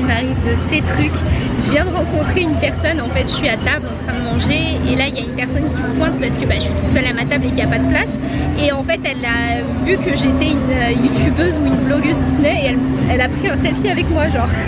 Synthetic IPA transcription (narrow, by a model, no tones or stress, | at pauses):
maʁivd̪əset̪χykʲʒəvjɛ̃d̪əʁɑ̃kɔ̃t̪χeynpɛʁsɔnɑ̃fɛt̪ʒə̥ʃɥiat̪ablɑ̃t̪χɛ̃d̪əmɑ̃ʒeelailjaynpɛʁsɔnkʲisə̥pwɛ̃t̪paʁsə̥kəbaəʃit̪u̥sœlamat̪ablekʲiapad̪əplas | eɑ̃fɛt̪ɛla | vykəʒet̪ɛynøjut̪ʲʰybøzuynblɔɡøzd̪isnɛeɛlɛlapχiɛ̃sɛlfjeavɛkmwaʒɑ̃ʁ